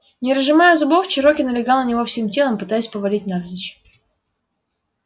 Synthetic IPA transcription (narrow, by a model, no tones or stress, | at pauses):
nʲɪɾəʐɨmajʊzʊboft͡ɕɪɾo̞kʲɪnəlʲɪɡalˠnənʲɪvo̞fsʲemtʲe̞lˠəmpɨt̪ajɪsʲpəvɐlʲitʲnard̪ʲɪt͡ɕ